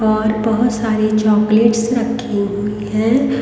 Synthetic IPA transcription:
ɔːɾbɐɦʊt̪saːɾet͡ʃɔːkleːʈsɾɐkʰːiɦuiɦɛ̃

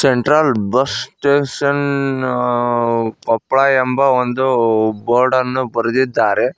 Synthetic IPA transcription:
seɳʈɾaːlbɐsʈeːʂɐn | kɔpːɭaːjɐmbɐond̪uboːɾɖɐnːubɐɾɐd̪id̪ːaːɾe

